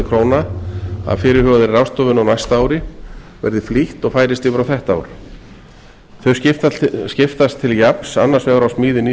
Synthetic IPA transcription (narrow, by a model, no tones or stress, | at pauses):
ɪkʰɾoːwnaa̰ðfɪːɾɪɾhœːɣaðɪɾrawst̪ɔːvʏnawnajst̪aaːwɾɪvɛ̰ɾðɪfliht̪ɔɣfaːjɾɪst̪iːvʏɾawθɛht̪aa̰ːwɾ̥ | θœɥsɪft̪scɪft̪ast̪ʰːɪljapsa̰nːaɾ̥svɛɣɾawsmiːðɪniː